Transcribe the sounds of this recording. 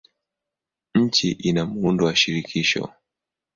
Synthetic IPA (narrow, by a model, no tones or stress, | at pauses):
ɲ̩t͡ʃiʔinamuundɔwaʃiɾikʰiʃɔ̰